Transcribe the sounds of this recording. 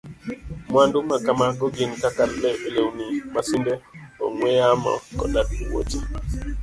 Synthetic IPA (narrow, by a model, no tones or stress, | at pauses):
mwandumakamaɡoɡinkakalbɛbelewnimasindɛɔ̰ŋwɛjama̰kɔ̰dadiwo̰t͡ʃi